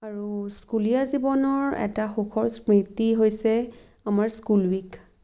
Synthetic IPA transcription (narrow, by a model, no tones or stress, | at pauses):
aɹuskulijazibɔnɔɹɛ̰taxukʰɔɹspɹitiɦojsɛ | amaɹskulwik